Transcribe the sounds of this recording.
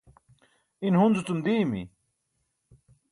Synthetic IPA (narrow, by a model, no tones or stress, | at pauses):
inhunzut͡sumd̪iːmḭ